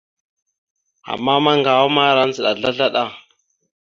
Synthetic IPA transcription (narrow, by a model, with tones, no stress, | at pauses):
a̰˨mːa˦ma˦ŋɡa˨wa˦ma˦ɾa˦n˦zə˨ɗa˨ɮa˦ɮa˦ɗa˦˨